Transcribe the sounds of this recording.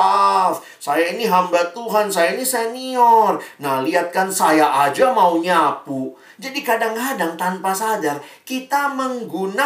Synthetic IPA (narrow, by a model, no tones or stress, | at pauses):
f | sajainiɦambat̪uɦansajainisɛniɔrnahliat̪̚kansajaʔad͡ʒamauɲapu | d͡ʒadikadaŋɦadaŋt̪anpasad͡ʒakit̪aməŋɡuna